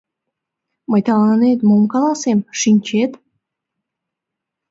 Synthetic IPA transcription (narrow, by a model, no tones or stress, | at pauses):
məjt̪ɑlɑnnet̪momkɑlɑsemʃinʲt͡ɕet̪